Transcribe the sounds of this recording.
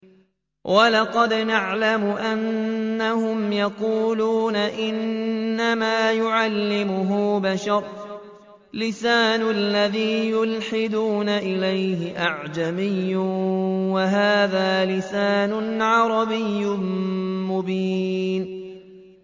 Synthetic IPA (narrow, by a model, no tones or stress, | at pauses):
wʔalɑqɑd̪naʕlamʊʔanːahʊmjɑquːluːnaʔɪnːamaːjʊʕalːɪmʊɦʊbaʃɑɾˤ | lɪsaːnʊlːaðiːjʊlħɪd̪uːnaʔɪlajhɪʔaʕd͡ʒamɪjːʊwaɦaːðaːlɪsaːnʊʕɑɾˤɑbɪjːʊmʊbiːn